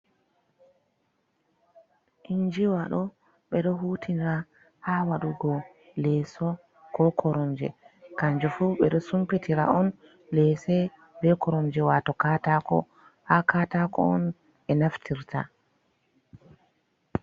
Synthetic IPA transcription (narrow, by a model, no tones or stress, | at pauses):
ʔiɲd͡ʒiwaɗɔ | ɓɛɗɔɦuːtʰinɾa | hawaɗuɡɔ | lɛsɔ | kɔkʰɔɾɔnd͡ʒɛ̰kaɲd͡ʒɔfuɓɛɗɔsumpitʰiɾa̰ʔɔn | lɛsɛ | bɛkɔɾɔnd͡ʒɛwatɔkaːtakɔ̰ | hakaːtakɔ̰ɔ̰n | ɛnaftʰiɾtʰa̰